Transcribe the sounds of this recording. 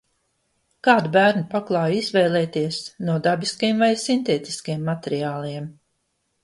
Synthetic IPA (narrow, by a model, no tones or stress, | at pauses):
kaːd̪ubæːɾnupaklˠaːjizvɛːlˠɛːt̪iɛsnuɔd̪abiskajemvajsint̪eːt̪i̥skjɛmːat̪eɾiaːlˠiɛm